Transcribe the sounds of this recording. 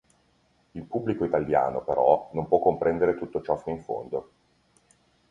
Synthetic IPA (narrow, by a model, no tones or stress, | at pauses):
ilpubːlikoit̪alja̰ːnopeɾɔnompwɔkːompɾʔɛnd̪eɾet̪ut̪ːot͡ʃɔsiɱfo̰nd̪o